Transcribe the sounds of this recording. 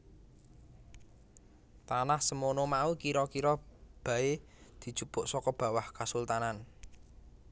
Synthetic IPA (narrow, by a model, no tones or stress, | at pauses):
t̪anahsəmonomaukiɾɔkiɾɔb̥a̤e | d̪̥i̤̥t͡ʃupʊʔsɔkɔb̥ä̤wahkasult̪anan